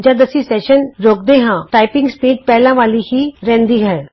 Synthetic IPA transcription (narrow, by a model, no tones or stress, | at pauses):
d͡ʑad̪əsisɛɕənɾoɡ̚d̪eɦãʈajpĩŋɡspiːɖpɛɦlãʋalihiːɾɛ̃nd̪iːɡʱɛɭ